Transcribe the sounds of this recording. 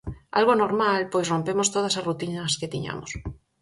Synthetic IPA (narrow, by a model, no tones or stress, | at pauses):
a̰lɣ̞onoɾmalpojsrompemost̪oð̞ɐsarut̪inɐsket̪iɲa̰mo̰s